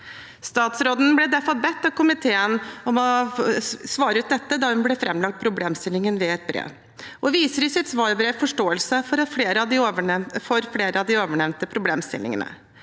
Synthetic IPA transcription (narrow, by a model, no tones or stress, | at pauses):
st̪ɑːt̪sɾoːd̪n̩blɛd̪æɾfɑlbɛt̪ːɑʋkʰʊmɪt̪ʰeːənɔmɔ | sʋɑːɾəʉːt̪nɛt̪ːəd̪ɑhʉnblɛfɾɛmːlɑk̚t̪̚pʰɾʊbleːmst̪ɪlɪŋənʋɛɛt̪̚bɾḛːʋ | ʔɔʋiːsəɾɪsɪt̪sʋɑːɾbɾeːʋfɔʂʈoːəlsəfɔɾɑfleːɾəɑd̪ɪfɔɾfleːɾəɑʋd̪ɪoːʋəɳɛʋnt̪əpʰɾʊbleːmst̪ɪ̰lɪ̰ŋə̰nə̰